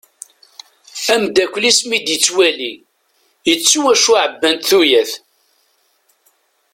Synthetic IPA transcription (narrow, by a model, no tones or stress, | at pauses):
æmd̪ækʷːlismid̪jət͡sːwæli | jət͡sːuwæʃuʕəbːænt̪θujæθ